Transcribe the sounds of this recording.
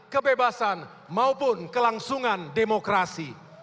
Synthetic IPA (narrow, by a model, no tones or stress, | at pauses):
kəbebasan | maupʊnkəlaŋsuŋandemokɾasi